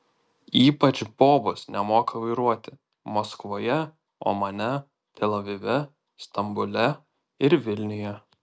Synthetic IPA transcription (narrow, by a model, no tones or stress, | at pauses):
iːpɐt͡ʃʲboːbʊsnʲɛmoːkɐʋɐɪɾuɔt̪ʲɪ | moːskʋoːjɛ | o̰ːmɐnʲɛ | t̪ʲʰɛlʲˠɐʋʲɪʋʲɛ | st̪ɐmbʊlʲɛ | ɪɾʋʲɪlʲnʲɪjɛ